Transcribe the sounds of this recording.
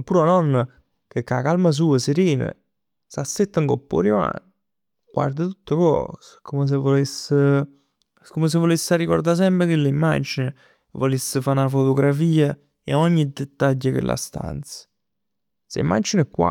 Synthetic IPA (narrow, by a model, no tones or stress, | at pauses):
puɾanɔnːa | kekːakalmas̬uːəseɾiːnə̰ | sasːet̪ːaŋkopːo̰ɾima̰n | ɡwa̰ɾd̪ət̪ut̪ːəkɔ̰skoməs̬evolesːə | koməs̬evolesːaɾikɔɾd̪as̬ɛmpɾəkelːeimːa̰d͡ʒinə | volesːəfanafot̪oɡɾafiːa | eɔɲːid̪et̪ːaʎːəkḛlʔa̰st̪a̰nt̪sə̥ | sḛḭmːa̰d͡ʒinəkːwa̰